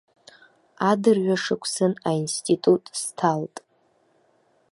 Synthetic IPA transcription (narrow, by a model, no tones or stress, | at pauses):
adɨrɥaʂɨkʷʰsɨnainstʼitʼutʼstʰaltʼ